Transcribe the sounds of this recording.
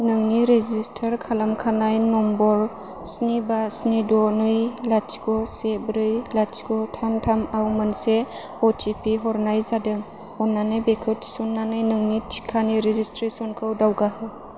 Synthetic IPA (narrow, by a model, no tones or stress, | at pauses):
nɯŋniɾezistʰəɾkʰalamkʰanajnɔmbɔɾ | snibasnidɔnɯjlat͡ʃkɔsebɾɯjlat͡ʃkɔtʰamtʰamawmɯnse | ɔtʰipiɦɔɾnajzadɯŋ | ɔnːanɯbekʰɯtsunːanɯjnɯŋnitʰi̥kʰaniɾezistɾesɔnkʰɯwdawɡahɯ